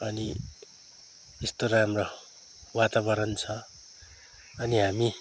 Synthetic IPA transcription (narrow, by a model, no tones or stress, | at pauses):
ʌni | ist̪oɾaamro | wat̪aβʌɾʌnt͡sʰʌ | ʌniɦami